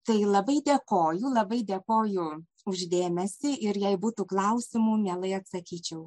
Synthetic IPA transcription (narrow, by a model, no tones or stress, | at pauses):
t̪ɐɪlˠɐbɐɪd̪ʲekoːjʊlˠɐbɐɪd̪ʲeːkoːjʊ | ʊʒʲd̪ʲeːmʲɛsʲɪʔɪɾjɛɪbuːt̪uːklˠɐʊsʲɪmuːmʲeːlˠɐɪɐt̪sɐkʲiːt͡ʃʲɛʊ